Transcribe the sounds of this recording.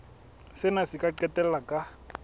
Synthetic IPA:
sɪnasikʼaǀɛtʼɛlakʼa

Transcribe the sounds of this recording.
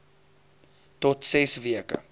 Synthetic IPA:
tɔtsɛsviəkə̰

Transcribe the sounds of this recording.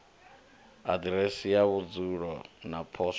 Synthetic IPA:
adɾɛsijaβud͡zuɺɔnapʰɔʃ

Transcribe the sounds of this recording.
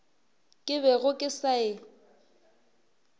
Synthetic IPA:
kʼɪβɛɣʊkʼɪsaɪ

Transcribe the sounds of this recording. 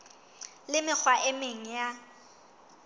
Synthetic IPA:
lɪmɪk͡xʰwaʔemeŋ̩ja

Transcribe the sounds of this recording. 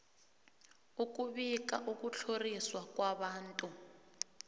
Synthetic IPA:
uk̬ʼuβik̬ʼa̰ʔuk̬ʼut͡ɬʰoriswakwaβaːntʼu

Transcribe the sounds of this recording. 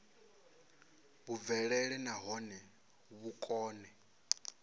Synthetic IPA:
βuvɛɺɛɺɛnaɦɔnɛ | βukʼɔːnɛ

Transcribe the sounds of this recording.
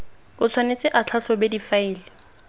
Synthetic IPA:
bʊt͡sʰwanet͡sʼɪʔat͡ɬʰasɔbedifaɪːlɪ

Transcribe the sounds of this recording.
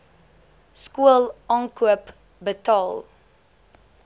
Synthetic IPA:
skuəlˠɑːŋkuəp | bətɑːlˠ

